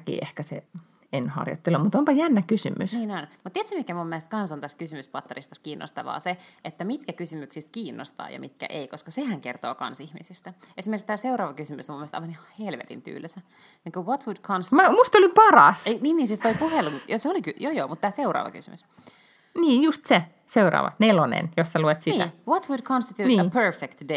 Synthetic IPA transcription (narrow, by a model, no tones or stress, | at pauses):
kḭʔehkæsḛ | enhɑ̰rjo̰t̪ːelːumut̪ompɑjænːækysymysniːnonmut̪t̪ieæt̪semikæmumːeest̪̚kɑnsont̪æskysymyspɑt̪ːɑrist̪ɑskiːnːo̰st̪ɑʋɑ̰ːseet̪ːæmit̪kækysymyksist̪̚kiːnːʔo̰st̪ɑ̰ːjɑ̰mit̪kæ̰ʔeikoskɑsehæŋkert̪oːkɑ̰nsihmisist̪æesimerkist̪æːseurɑːʋɑkysymysomumːest̪ɑ̰jʋɑnihɑhelʋḛt̪ḭmp̪y̰ːlːæsæ | niːŋkuwot̪wud̥kʰonst̪mæmust̪olimpɑrɑ̰seniːnːiːnsiːst̪ojpuheluŋjoseolikyjojomut̪ːtæːseuɾɑ̰ːʋɑ̰ky̰symys | niːnjust̪se | seuɾɑ̰ːʋɑ̰nelonḛnjossæluet̪siːæʋot̪wudkʰõnst̪it̪uːnəpʰøɹfekt̪de